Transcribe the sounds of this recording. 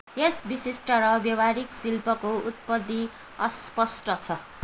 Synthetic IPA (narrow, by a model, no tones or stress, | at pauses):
esbisisʈʌɾʌbjʌwaɾiksilpʌkout̪̚pʌd̪ːi | ʌspʌsʈʌt͡sʰʌ